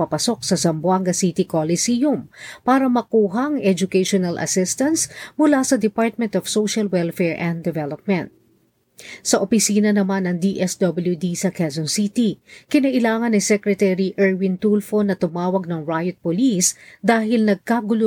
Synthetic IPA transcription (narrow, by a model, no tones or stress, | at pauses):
ɐpɐso̞k̚sɐsɐmbwaŋɡɐsit̪ɪkolɪsijʊmpaːɾɐmɐkuːɦɐʔɐŋɛd͡ʒʊkɛjʃonɐlʔɐ̰sɪst̪ɐnsmʊlasɐd̪ɛpaɹt̪̚mɛ̃nt̪ɔv̥sowʃɐlwɛlfɛɹʔɛ̃nd̪ɛvɛlop̚mɛnt̪̚ | sɐʔopɪsiːnɐnɐmanɐŋd̪iʔɛsd̪obɐljud̪isɐkɛsɔnsit̪ikɪnɐʔɪlaːŋɐnɐsɛkɾɛt̪ɛɾiʔɛɹwɪnt̪ulfonɐt̪ʊmaːwɐɡ̚nɐŋɹajot̪̚pʊlisd̪aːhɪlnɐɡ̚kaɡʊlo